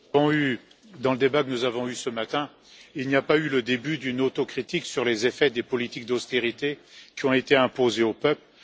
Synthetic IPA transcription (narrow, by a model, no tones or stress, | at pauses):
ɔ̃y | d̪ɑ̃ləd̪ebakənuzavɔ̃ysəmat̪ɛ̃ | ilnijapayləd̪ebyd̪ynot̪okχit̪iksyʁlezefɛd̪epɔlit̪ik̚d̪ɔst̪eʁit̪ekʲiɔ̃et̪eɛ̃pozeopœpl